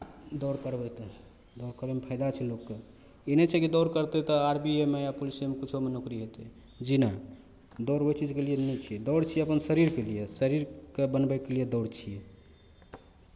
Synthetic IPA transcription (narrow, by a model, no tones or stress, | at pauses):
d̪ɔɾkəɾbɛt̪ɔ | d̪ɔʊɾkəɾbɛmepʰəɪd̪at͡ʃʰilokːe | inɛt͡ʃʰɛkid̪ɔɾkəɾt̪ɛt̪ɔaɾbiemejapolisemekut͡ʃʰomenokɾiɦet̪ɛ | d͡ʒina | d̪ɔɾoit͡ʃid͡ʒkelijenɛt͡ʃʰiɛd̪ɔɾt͡ʃʰieəpənsəɾiɾkelijesəɾiɾkebənbɛkelijed̪ɔɾt͡ʃʰie